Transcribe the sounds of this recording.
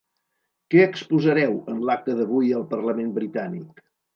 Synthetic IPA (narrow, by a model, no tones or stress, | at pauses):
kɛəkspuzəɾɛwənlak̚t̪əðəβ̞ujəlˠpərləmenbɾit̪anik